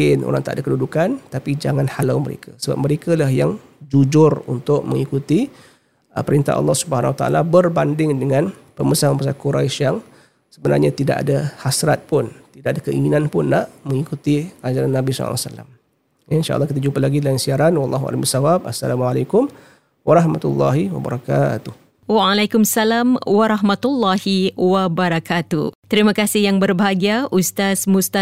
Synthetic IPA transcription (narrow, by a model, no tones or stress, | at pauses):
ɪnʔo̰ɾaŋt̪aʔdakədudukant̪apid͡ʒaŋãnhalawməɾḛkʰasəba̰p̚məɾekəlahjaŋ | d͡ʒud͡ʒʊrṵnt̪ʊʔməŋikut̪i | əpəɾint̪a̰ʔɑ̰lːɑhsubəhanawat̪aa̰labərbandɪŋdəŋãnpəməsaməmpəs̬akuɾa̰ʃaŋ | səbəna̰rɲat̪ida̰ʔa̰dahasɾat̪̚pʊnt̪idaʔadakəʔiŋinanpʊnːaʔmə̃ŋikut̪iad͡ʒaɾanːabisɔ̰a̰salːa̰m | jainʃaʔɑ̰lːɑhkit̪ad͡ʒupalaɡidalansiaɾanwɑlˤːɑɦua̰laməsawabasːa̰lamualajkʊm | waɾɑhmat̪ṵlːɑ̰ɦiwa̰ba̰ɾaka̰t̪uh | waalajkʊmsalamwaɾaɦmat̪ulːahiwabəɾakat̪ṵt̪əɾimãkasɪhjaŋbərbaɦaɡiaʔust̪asmust̪a